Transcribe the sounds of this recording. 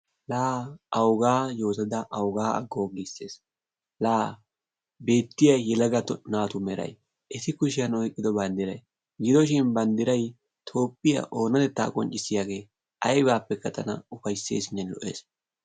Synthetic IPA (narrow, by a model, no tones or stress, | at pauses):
laːʔɐwɡaːjo̞ːt̪ɐd̪ɐʔɐwɡaːɐ̰ɡːo̞ːɡisːe̞ːs | laː | be̞ːt̪ːɪjɐjːɛlɐɡɐt̪ːɔnaːt̪ʊmɛɾɐ̰j | ʔɛsɪkʊʃɪjɐnɔjkʼːɪd̪ɔbɐnd̪ɪɾɐj | ɡɪd̪ɔʃ̬ɪnbɐnd̪ɪɾɐj | t̪ʰo̞ːpːɪjɐ̰ʔo̞ːnɐd̪ɛt̪ːa̰ːkʼɔ̰nt͡ʃʼːɪsːɪjaːɡe̞ː | ʔɐjbaːpːɛkːɐt̪ɐnɐ̰ʊfɐjsːe̞̰ːsɪnːɛnlɔ̰ʔḛːs